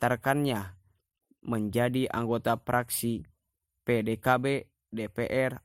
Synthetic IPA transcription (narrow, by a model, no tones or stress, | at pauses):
t̪arkanɲa | məɲd͡ʒadiʔa̰ŋɡɔt̪apɾaksi | pedɛkabɛ | depɛʔɛr